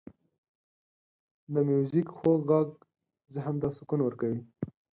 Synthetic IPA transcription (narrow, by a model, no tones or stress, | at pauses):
d̪əmjuzikxoɡɣaɡ | zəɦamd̪ɑsʊkunwəɾkawi